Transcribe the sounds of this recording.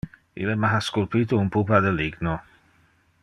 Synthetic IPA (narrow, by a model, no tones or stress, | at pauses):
ḭlemaɦaskolpiːt̪oumpupad̪eliɡno